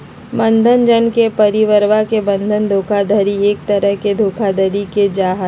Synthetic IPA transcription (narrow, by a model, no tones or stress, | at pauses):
bɐ̃nd̪ʱənd͡ʒənkepɐɾiʋəɾʋakebə̃nd̪ʱənd̪ʱoːkʰad̪əɾieːk̚t̪ɐɾəɦked̪ʱoːkʰad̪əɾiked͡ʒaːɦə